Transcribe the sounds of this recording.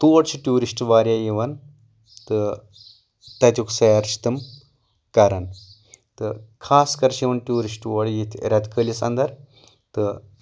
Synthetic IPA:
t̪oːɽt͡ʃʰiʈjuːɾisʈʋaːɾʲjajiʋɐn | t̪ɨ | t̪ɐt̪ʲjuksɐjɐɾt͡ʃʰi̥t̪ɨm | kɐɾɐn | t̪ɨkʰaːskɐɾʃiʋɐnʈjuːɾisʈʋɐɽjit̪ʰḛɾʲat̪kəlisɐnd̪ɐɾ | t̪ɨ

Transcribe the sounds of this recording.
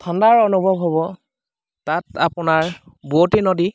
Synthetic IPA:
tʰɔndaɹɔnubʱɔbɦɔbɔ | tatapʊnaɹ | buotinɔdi

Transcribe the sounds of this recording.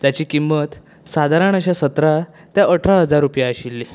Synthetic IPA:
d͡zat͡ɕiːkimːət̪ | sad̪ʱaɾaɳ̃əɕasət̪ɾa | t̪jaʔəʈʰɾaɦəd͡zaɾːupjaəɕilːi

